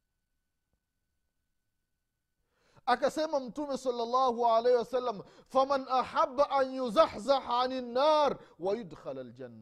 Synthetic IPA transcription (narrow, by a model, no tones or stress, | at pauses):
ʔakasɛmamʊtumesɑlːalˤːɑːhuʕaleːhiwasalːamfamanʔaħabːaʔanjʊzaħzaħaʕanɪnːaːɾwajʊdxalald͡ʒanːa